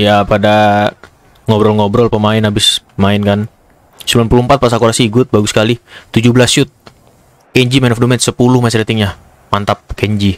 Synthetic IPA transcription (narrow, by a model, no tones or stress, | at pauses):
japada | ŋɔbɾɔlŋɔbɾɔlpəmaɪnabɪspəmaɪnkan | səbilanpuluhmpat̪̚pas̬akoɾasiiɡʊt̪̚baɡusə̥kalit̪ud͡ʒubəlasʃʊt̪̚ | kɛɲd͡ʒimɛnɔfdumɛt̪səpulʊhmasɛɾt̪ɪŋɲa | mant̪ap̚kɛɲd͡ʒi